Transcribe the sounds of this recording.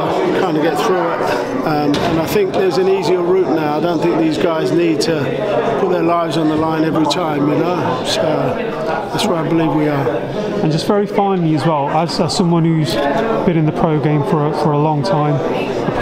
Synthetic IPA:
kʰãɪ̃ndəɡɛt̪θɹʉɪt̚ | ʌ̃mə̃naɪθɪ̃ŋk̚ðəzɨ̃niːziəɹʉˑʔⁿnaʊaɪdõʊ̃nθɪ̃ŋk̚ðiːzɡaɪzniːd̚tʰə | pʰʊt̪̚ðə˞laɪvzn̩ðəlãɪ̃nɛvɹitʰãɪ̃mjɨnoʊ | soʊ | ðætswəɹaɪbəlivwiə | ə̃nd͡ʒʌstv̥ɛɹifãɪ̃nliəzwɛlˠəz̥ə̥sʌ̃mwɒ̃nhʉz̥b̥ɪ̃ñɪ̃nðəpʰɹ̥əʊɡẽɪ̃ɱfə˞əfəɹəlɒ̃ŋtʰãɪ̃m | ə

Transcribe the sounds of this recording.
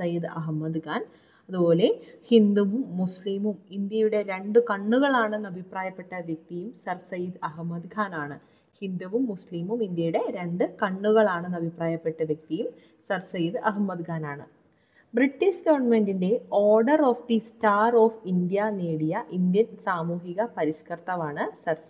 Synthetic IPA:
sɐjid̪ɐɦmːɐd̪ɡaːn | ɐðubo̞ːle̞hind̪uʋumːusliːmumind̪jɐjuɽe̞ɾe̞ɳɖɨkɐɳːuɣɐɭaːɳenːɐbʱipraːjɐpːe̞ʈːɐʋjek̚t̪ijumsɐrsɐjid̪ɐɦmːɐd̪ɡʱaːnaːɳɨ | hind̪uʋumːusliːmumind̪jɐjuɽe̞ɾe̞ɳɖɨkɐɳːuɣɐɭaːɳɨnɐbʱipraːjɐpːe̞ʈːɐʋjek̚t̪ijum | sɐrsɐjid̪ɐɦmːɐd̪ɡʱaːnaːɳɨ | briʈːiɕɡɐʋɐrɳɐme̞ndinde̞o̞ːrɖɐroːfd̪istaːroːfind̪ijɐneːɽijɐʔind̪jɐnsaːmuːɦiɣɐpɐɾiɕkɐrt̪ɐʋaːɳɨsɐrs

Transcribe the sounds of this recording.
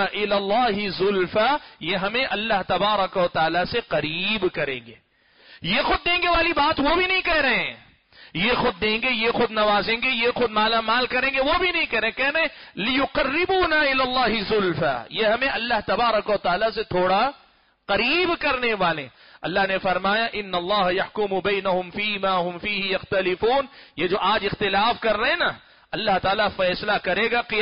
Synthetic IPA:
ʔɪlaːlːaːɦɪzʊlfajeɦɐmẽʔɐlːaɦt̪ɐbaːɾɐkɐʋɐt̪aːlaseqɐɾiːbkɐɾḛ̃ːŋɡeː | jexʊd̪̚ːẽːŋɡeʋaːlibaːt̪ʋobʱinɐɦĩkɛɦɾɐɦɛ̃ | jexʊd̪̚ːẽːŋɡejexʊd̪nɐʋaːzẽːŋɡejexʊd̪maːlamaːlkɐɾẽːŋɡeʋobʱinɐɦĩkɐɾẽːkɛɦɾɐɦɛ̃ːlɪjʊqɐrːɪbuːnaɪlaːlːaːɦɪzʊlfa̰ːjeɦɐmẽʔɐlːaɦt̪ɐbaːɾɐkʋɐt̪aːlaset̪ʰoːɽa | qɐɾiːbkɐɾneʋaːlḛ̃ː | ɐ̰lːaɦnefɐɾmaːjaʔɪnːɐlˤːaːɦɐjɐħkʊmʊbɛːɪnɐɦʊmfiːmaːɦʊ̃mfiːɦɪjɐxt̪ɐlɪfuːnjed͡ʒoːʔaːd͡ʒɪxt̪ɪlaːfkɐɾːɐɦɛ̃na | ɐlːaɦt̪aːlafɛːslakɐɾeːɡaqɪ

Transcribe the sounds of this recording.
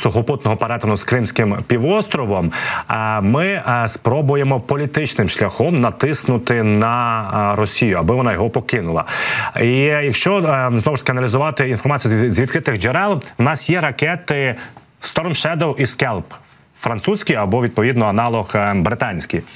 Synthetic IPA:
sʊxɔpʊt̪nɔɦɔpɐɾɛt̪ɐnʊskɾɪmsʲkɪmpʲiʋɔst̪ɾɔʋɔmː | ɪspɾɔbʊjemɔpɔlʲit̪ɪt͡ʃnɪmʃlʲɐxɔmnɐt̪ɪsknʊt̪ɪnɐɾɔsʲijʊɐbɪʋɔnɑjɔɦɔpɔkɪnʊlˠɐ̰ijɐkʃt͡ʃɔznɔʋʊʃt̪ɐ̥kʲɪɐnɐlʲizʊʋɑt̪ɪinfɔrmɑt͡sʲijʊzʲʋʲid̪̚kɾɪt̪ɪɣd͡ʒeɾɛlˠwnɑsjɛɾɐkɛt̪ɪ | st̪ɔɾɔnʃɛd̪ɔwiskɛlˠp | fɾɐnt̪susʲkʲijɐbɔʋʲid̪̚pɔʋʲid̪nɔɐnɑlˠɔxbɾɪt̪ɑnʲsʲkʲij

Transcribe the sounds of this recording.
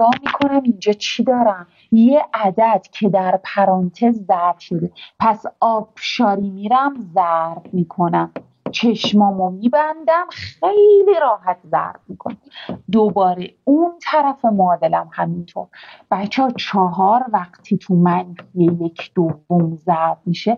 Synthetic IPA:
ɒːmiːkʰo̞næmind͡ʒɒːt͡ʃʰid̪ɒːɾæm | jeʔæd̪æd̪̥cʰe̞d̪æɾpʰæɾɒːnt̪ʰe̞zːæɾfʃo̞d̪e̞pʰæsɒːb̥ʃɒːɾimiɾæmzæɾbmiːkʰo̞næm | t͡ʃʰe̞ʃmɒːmomibænd̪æmχejliɾɒːɦæt̪ʰzæ̰ɾb̥mikʰon | d̪obɒːɾeunt̪ʰæɾæfe̞moːd̪e̞læmhæmint̪ʰo̰ɾb̥æt͡ʃʰːɒːt͡ʃʰɒɦɒːɾvæχt̪ʰit̪ʰumænhʰijejecʰd̪̥ovːomzæɾbmiʃe

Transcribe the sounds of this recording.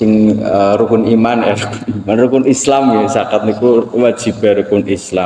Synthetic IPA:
sɪŋəɾukʊnimanjɛɾukʊnimanrukʊnislamjɛsakat̪̚nikuwad̥ʒ̥i̤b̥ɛɾukʊnʔisla

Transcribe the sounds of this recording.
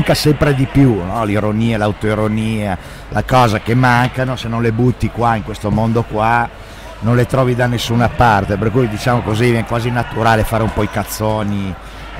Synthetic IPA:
ŋkasɛmpɾed̪ipjunɔliɾoniːalawt̪oiɾoniːa | lʔakɔːzakemaŋkanosenːõnlebut̪ːikwaiŋkwest̪omond̪okwa | nonlet̪ɾɔːvid̪anːesːunapart̪eperkujd̪it͡ʃaːmokozivɛŋkwaːzinat̪uɾaːlefaːɾeumpɔikat̪sːoːni

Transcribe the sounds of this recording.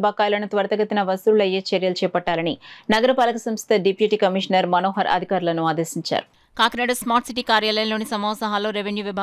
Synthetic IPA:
bɐkːaːjlɐnɐt̪ʋɐɾɐt̪ɐɡɐt̪ːinɐʋɐsuɾulɐjeːt͡ʃɐɾjɐlt͡ʃɛːpɐʈːaːlɐninɐɡɐɾɐpaːlɐkusɐmst̪ʰɐɖipjuʈiːkɐmiʂnɐɾmɐnoːɦɐɾɐ̰d̪ʱikaːɾulɐnuaːd̪eːsiɲt͡ʃa̰ːɾu | kaːkɐnɐɖɐsmaːɾʈsiʈiːkaːɾjaːlɐjɐnloːnisɐmɐːʋɐsɐɦaːloːɾeʋenjuʋibʱaː

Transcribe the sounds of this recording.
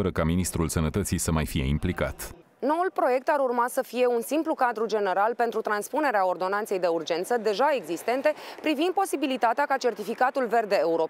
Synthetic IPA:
əɾəkaminist̪ɾulsənət̪ət̪sisəmajfije̞̰ḭmplika̰t̪ | no̞ulpɾo̞je̞k̚t̪aɾurmasəfije̞unsimplukad̪ɾud͡ʒe̞ne̞ɾalpe̞nt̪ɾut̪ɾanspune̞ɾeao̞rd̪o̞nant̪se̞jd̪e̞urd͡ʒe̞nt̪səd̪e̞ʒae̞ɡzist̪e̞nt̪e̞pɾivind̪̚po̞sibilit̪at̪eakat͡ʃe̞rt̪ifikat̪ulve̞rd̪eːuɾo

